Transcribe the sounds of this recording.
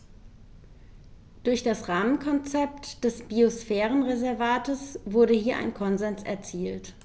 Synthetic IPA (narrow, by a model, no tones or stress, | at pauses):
d̥ʊɐçd̥asʁaːmənkʰɔnt͡sɛp̚td̥ɛsb̥iosfɛːʁ̞ənʁezɛɐvaːtəsv̥ʊɐɾəhiːɐʔa̰ɪnkʰɔnzɛnsɛ̰ɐt͡siːlt